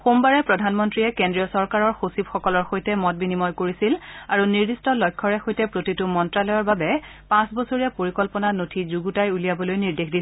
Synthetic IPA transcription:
xombaɹɛpɹɔdʱanmɔntɹiɛkendɹijɔsɔɹkaɹɔɹxosibxɔkɔlɔɹxojtɛmɔt̚binimɔjkoɹisilaɹuniɹdistɔlɔjkʰːɔɹɛxojtɛpɹotitʊmɔntɹalɔjɔɹbabɛpãsbɔsoɹijapoɹikɔlpɔnanotʰizuɡutajulijabɔlojniɹdexdi

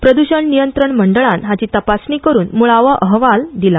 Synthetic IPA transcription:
pɾəd̪uɕəɳnijənt̪ɾəɳməɳɖəɭãnɦat͡ɕiːt̪əpasɳiːkəɾuːnmuɭaʋəʔəɦʋald̪ila

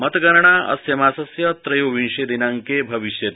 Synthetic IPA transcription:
mət̪ɡɐɾɳaʔɐ̰sjɐmaːsɐsjɐt̪ɾɐjoʋĩnʂed̪inaŋkebʱɐʋiʃjet̪

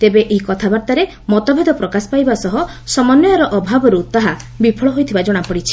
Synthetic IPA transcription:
t̪ebeʔeɦikɔt̪ʰabaɾt̪aɾe | mɔt̪ɔbʱed̪ʱɔpɾɔkasɔ̥pajbasɔɦɔ | sɔmɔnːɔɾɔʔɔbʱabɔɾut̪aɦabipʰɔɭɔɦojt̪ʰibad͡ʒɔɽ̃apɔɽit͡ʃʰi̥

